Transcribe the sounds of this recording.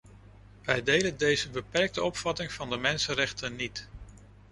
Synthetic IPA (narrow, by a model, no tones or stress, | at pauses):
ʋɛjdejdəndejzəbəpɛrk̚təɔpfɑtɪŋv̥ɑndəmɛnsənrɛχtənːit